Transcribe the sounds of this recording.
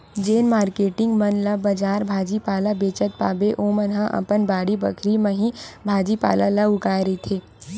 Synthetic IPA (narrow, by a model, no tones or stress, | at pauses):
d͡ʒeːnmaːɾkeːʈɪ̃ŋɡmɐnlɐbɐd͡ʒaːɾbʱaːd͡ʒipaːlabeːt͡ʃət̪̚pa̰ːbeʔoːmənɦãʔɐ̰pənbaːɽibə̰kʰɾimə̃ɦĩbʱaːd͡ʒipa̰ːlalɐʊkaːjɾəit̪ʰeː